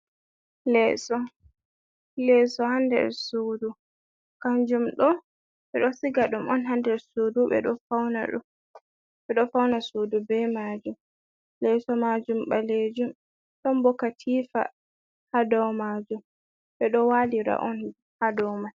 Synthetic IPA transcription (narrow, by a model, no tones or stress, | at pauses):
lɛsɔ | lɛsɔhandɛ̰ɾsudu | kaɲd͡ʒumɗɔ | ɓɛɗɔsiɡaɗumʔɔnɦandɛɾsuːduɓɛ̰ɗɔfawna̰ɗṵm | ɓɛɗɔfawnasudubɛmaːd͡ʒum | lɛsɔmaːd͡ʒumɓaled͡ʒum | ɗɔmbɔkatʰiːfa̰ | hadɔwmaːd͡ʒum | ɓɛɗɔwaːliɾa̰ʔɔn | hadɔwmal